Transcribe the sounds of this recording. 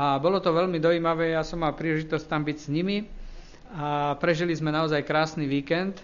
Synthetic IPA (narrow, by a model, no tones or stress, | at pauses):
abɔlɔt̪ɔʋɛlmid̪ɔiːmaʋɛːjasɔmːalpɾiːlɛʒit̪ɔsct̪ambiɟsɲimi | apɾɛʒilizmɛnaɔzajkɾaːsniʋiːkɛnt̪